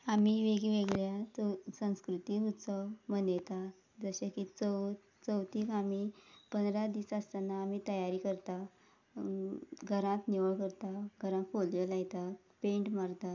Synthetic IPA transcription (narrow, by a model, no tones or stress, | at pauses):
amiʋeɡiʋeɡɭjat͡səsə̃skɾut̪iɦut̪t͡sɔmənet̪a | d͡zəɕakit͡sə | t͡səwt̪iːkamipənd̪ɾad̪iːsəst̪anaːmit̪əjaɾikəɾt̪a | ɡʱəɾãt̪niʋəɭkəɾt̪aɡʱəɾãt̪foljəlajt̪a | pẽɳʈmaɾt̪a